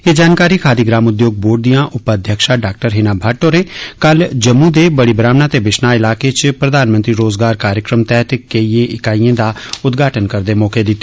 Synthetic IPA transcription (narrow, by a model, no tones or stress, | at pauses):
eːd͡ʒaːnkaːɾiːkʰaːd̪iːɡɾaːmʊd̪joːɡ̚boːʈ̚d̪ijãːʔʊpəəd̪ʱjəkʃaːɖaːk̚ʈəɾɦeːnaːbʱəɾʈoːɾẽːkəld͡ʒəmːuːd̪eːbəɽiːbɾaːmnaːt̪eːbɪʃnaːɪlaːket͡ʃpɾəd̪aːnmənt̪ɾiːɾoːzɡaːɾkaːɾjəkɾəmt̪ɛːt̪keiːeʔɪkaːiẽːd̪aːʊt̪ɡʱaːʈənkəɾd̪eːmɔːked̪ɪt̪ːe̥